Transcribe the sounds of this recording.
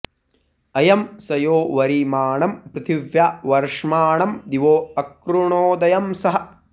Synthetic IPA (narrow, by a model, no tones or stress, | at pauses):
ɐjɐmsɐjoːʋɐɾimaːɳɐmpɾɨt̪ʰiʋjaːʋɐɾʂmaːɳɐmd̪iʋoːɐkɾuɳoːd̪ɐjɐmsɐɦɐ̆